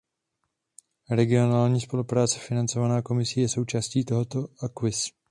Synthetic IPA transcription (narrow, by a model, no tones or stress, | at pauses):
ɾɛɡɪo̞naːlɲiːspo̞lupɾaːt͡sɛ̥fɪnant͡so̞vanaːko̞mɪsɪjɛso̞wt͡ʃaːsciːt̪oɦo̞t̪o̞ʔakvɪs